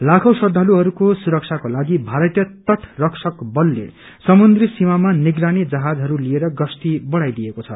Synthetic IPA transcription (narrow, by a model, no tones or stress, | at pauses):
lakʰʌwsʌd̪ʱaluɦʌɾukosuɾʌk̚sʰakolaɡibʱaɾʌt̪jʌt̪ʌʈʰrʌksʰʌkbʌlːḛ | sʌmund̪risimamaniɡranid͡zʌɦad͡zɦʌɾulieɾʌɡʌst̪ibʌɽajd̪ijekot͡sʰʌ̰